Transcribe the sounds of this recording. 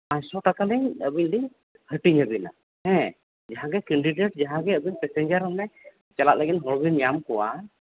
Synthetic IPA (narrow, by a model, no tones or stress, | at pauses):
ajsɔʈakalɛɲəbiɲliɲ | həʈiɲəbina̰ | hɛ̃ | d͡ʒaɦãɡɛkɛɳɖiɖeʈd͡ʒaɦãɡɛəbiɲpɛsɛɲd͡ʒaɾəmnɛ | t͡ʃalaʔ̪̚ləɡinɦɔɾbinjamkɔwa